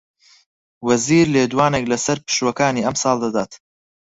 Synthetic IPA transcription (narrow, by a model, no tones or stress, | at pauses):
wɐziːɾleːd̪waːneklɐsɐɾpɨ̥ʃwɐkaːniːɐmsɑːlˠd̪ɐd̪aːt̪